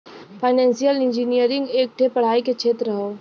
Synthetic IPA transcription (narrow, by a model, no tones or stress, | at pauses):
pʰaːɪnɛ̃ːnsijəlɪ̃nd͡ʒinijəɾɪ̃ŋɡeːk̚ʈʰepɐɽ̤aːiket͡ʃʰeːt̪ɾɾəɦoː